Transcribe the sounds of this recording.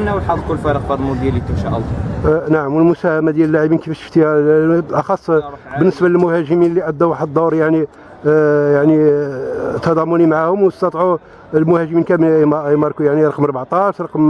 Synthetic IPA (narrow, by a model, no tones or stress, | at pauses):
næwlħɑd̪ˤlkʊlːfɑɾəq̚bɑʕd̪ˤmud̪jælːit̪əmʃaʔəlˤːɑnaʕəmwəlmʊsæhæmad̪jæləlːaʕibinkəfæʃə̥ft̪ihæʔɑxɑsˤːbənːəsbæləlmʊhæʒəminəlːiʔæd̪ːæwaħəd̪d̪ˤːuɾjaʕni | jaʕni | t̪ːɑd̪ˤɑmʊnimaʕahʊmwst̪ɑt̪ˤʕu | lmʊhæʒminkæmmɑɾˤkujaʕniɾˤɑqmɾˤbaʕt̪ˤɑʃɾˤɑqm